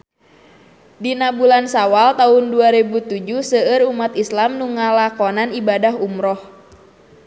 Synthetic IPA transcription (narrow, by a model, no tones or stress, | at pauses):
dinabulansawalt̪aunduaɾebut̪ud͡ʒusəəɾumat̪islamnuŋalakɔnanibadaɦumɾɔh